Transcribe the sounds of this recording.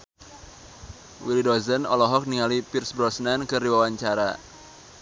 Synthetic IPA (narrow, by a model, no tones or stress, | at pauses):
wilidɔzənɔlɔɦɔk̚niŋalipirsbɾɔsnankɨrdiwawaɲt͡ʃaɾa̰